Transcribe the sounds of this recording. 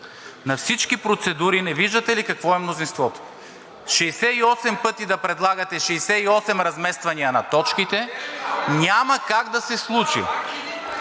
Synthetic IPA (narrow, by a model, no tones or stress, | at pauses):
nɐfsit͡ʃkipɾot̪sɛd̪uɾinɛviʒd̪ət̪ɛlikɐkvɔɛmnozinst̪vɔt̪o̥ | ʃɛsɛiɔsɛmpɤt̪id̪ɐpɾɛd̪lˠaɡɐt̪ɛʃɛsɛiɔsɛmɾɐzmɛst̪vɐniənɐt̪ɔt͡ʃkit̪ɛ | nʲamɐkaɡd̪ɐsɛslˠut͡ʃḭ